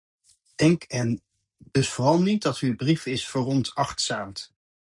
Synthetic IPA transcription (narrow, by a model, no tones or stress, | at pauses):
d̥ɛŋkɛn | d̥ɵsfʊrɑlˠnit̚dɑtybrifɪsfərɔntɑχtsaːmt